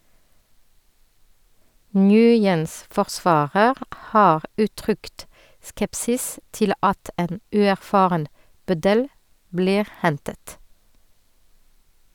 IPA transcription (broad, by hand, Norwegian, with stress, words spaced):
ˈŋjʉːjəns fɔʁˈsʋɑːɾəʁ ˈhɑːʁ ˈʉːˌtʁʏkt ˈskɛpsɪs ˈtɪl ˈɑt ˈeːn ˈʉːæʁˌfɑːʁən ˈbœdəl ˈbliːʁ ˈhɛntət